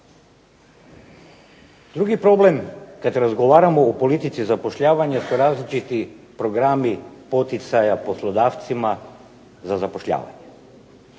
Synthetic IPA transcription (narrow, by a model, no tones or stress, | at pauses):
d̪ɾuɡipɾɔblɛmkad̪ɛɾazɡɔvaɾamɛopolit̪it̪sizapɔʃʎʲavaɲasɔɾazlit͡ʃit̪ipɾɔɡɾamipɔt̪it̪sajaposlˠɔd̪aft̪sima | zazapoʃlʎʲa̰va̰ɲɛ